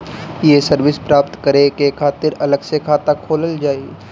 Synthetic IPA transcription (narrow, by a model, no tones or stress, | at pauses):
jesəɾʋɪspɾaːpt̪kəɾekekʰaːt̪ɪɾɐləɡsekʰaːt̪akʰoːləld͡ʒaːi